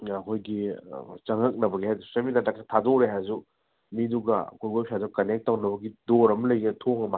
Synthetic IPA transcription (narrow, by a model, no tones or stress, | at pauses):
ɐkʰojɡḭt͡ʃɐŋɦɐk̚nɐbɐɡihajzusɐmitatak̚ːɐtʰadoɾeɦajzu | miduɡɐɐ̰kʰojɡojpʰiazukɐnek̚tːɐwnɐbɐɡidoɾɐmɐlɐjɡeɐtʰoŋɐma